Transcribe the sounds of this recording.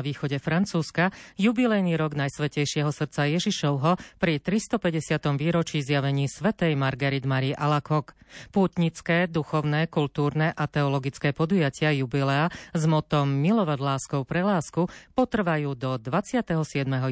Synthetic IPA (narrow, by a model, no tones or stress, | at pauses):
ʋiːxɔɟɛfɾant͡suːskajubilɛjniɾɔɡnajsʋɛcɛjʃɪɛɦɔsr̩t̪t͡sajɛʒiʃɔʊɦɔpɾit̪ɾist̪ɔpɛɟɛsɪat̪ɔmʋiːɾɔt͡ʃiːzjaʋɛɲiːsʋɛt̪ɛjmaɾɡɛɾid̪maɾiʔalakɔkpuːt̪ɲit͡skɛːd̪uxɔʊnɛkult̪uːɾnɛʔat̪ɛɔlɔɡit͡skɛːpɔd̪ujacɪajubilɛazmɔt̪ɔmːilɔʋaɟlaːskɔʊpɾɛlaːskupɔt̪r̩ʋajuːd̪ɔd̪ʋat͡sɪat̪ɛɦɔsɪɛd̪mɛɦɔ